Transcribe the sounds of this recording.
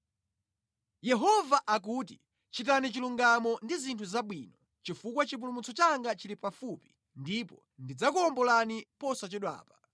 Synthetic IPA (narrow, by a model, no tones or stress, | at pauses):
jɛɦɔvaʔak̬uːti | t͡ʃit̬anit͡ʃiluŋɡamɔndizintʰuzaɓwiːnɔ | t͡ʃifukwat͡ʃip̬ulumut͡sɔt͡ʃaŋɡat͡ʃilipafupi̥ | ndipɔ | ndid͡zakuɔmbɔlanipɔsat͡ʃiɗwa̰ːpḁ